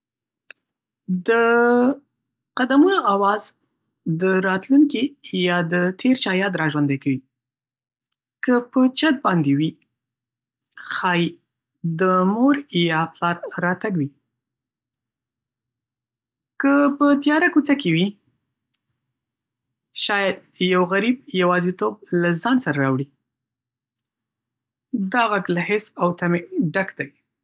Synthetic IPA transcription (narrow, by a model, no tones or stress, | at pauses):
d̪ə | qad̪amunoʔawɑz̥ | d̪əɾɑt̪luŋkijɑd̪ət̪ʰeɾt͡ʃɑjɑd̪ɾɑʒwand̪ajkawi | kəpət͡ʃad̪̚bɑnd̪ewi | xɑj | d̪əmoɾjɑplɑɾɾɑt̪aɡwi | kəpət̪jɑɾakut͡sakewi | ʃɑjad̪̚ | jawɣaɾibjawɑzit̪ob̚lazɑnsaɾaɾɑwɽi | d̪ɑɣaɡlahɪsawt̪ameɖakd̪aj